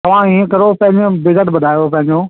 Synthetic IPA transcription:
t̪ɐʋ̤ãiːẽkɐɾopɐ̃ɦɪ̃ɲd͡ʑõbɪzəʈbɐd̪ʱaːjopɐ̃ɦɪ̃ɲd͡ʑo

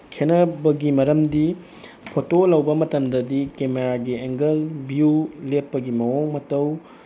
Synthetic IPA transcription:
kʰenɐbɐɡimɐɾɐmdi | pʰotolɐwbɐmɐtɐmdɐdikemeɾaɡieŋɡɐlbjulepːɐɡimɐwoŋmɐtɐw

